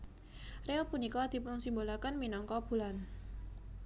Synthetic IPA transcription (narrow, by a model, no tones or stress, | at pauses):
reopunikɔd̪̥i̤pʊŋsimbolakənminɔŋkɔb̥ṳlan